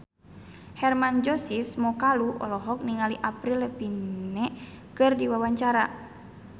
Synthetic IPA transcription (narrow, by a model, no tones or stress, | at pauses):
hɛrmand͡ʒɔsismɔkaluʔɔ̰lɔɦɔk̚niŋaliʔapɾiləpinːɛ | kɨrdiwawaɲt͡ʃaɾa